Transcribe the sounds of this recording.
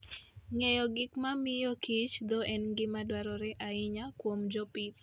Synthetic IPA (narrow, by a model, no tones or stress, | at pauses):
ŋejɔɡɪkmamɪjɔkit͡ʃd̪oʔɛnɡɪmadwaɾɔɾɛʔaɪɲakwomd͡ʒɔpit̪